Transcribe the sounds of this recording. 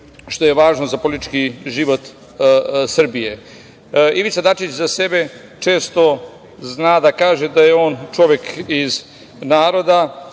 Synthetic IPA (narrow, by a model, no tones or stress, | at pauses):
ʃt̪o̞je̞ʋaːʒnozapo̞lit̪i̥t͡ʃkiʒiʋo̞t̪ | sr̩bije | iʋit̪sad̪at͡ʃit͡ɕzase̞be̞ | t͡ʃe̞ːst̪o̞ | znaːd̪akaːʒed̪ajeo̞ːnt͡ʃo̞ʋjekiz | naːɾo̞d̪a